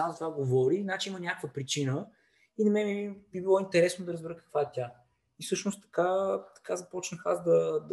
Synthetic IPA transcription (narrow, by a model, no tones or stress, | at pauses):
azɐt̪vaɡovɔɾinat͡ʃiimənʲakkvəpɾit͡ʃinə | inɐmɛibibilˠɔint̪ɛɾɛsnod̪ɐɾəzbɛɾəkɐ̥kvaɛt̪ʲa | ifsɤʃnost̪ɐ̥kat̪ɐ̥kazɐpɔt͡ʃnəxazd̪ɐd̪